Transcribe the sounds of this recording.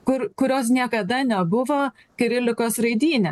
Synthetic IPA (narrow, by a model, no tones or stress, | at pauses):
kʊɾkʊɾʲoːs̬nʲiɛkɐd̪ɐnʲɛbʊʋoː | kʲɛɾʲɪlʲɪkoːsɾɐɪd̪ʲiːnʲɛ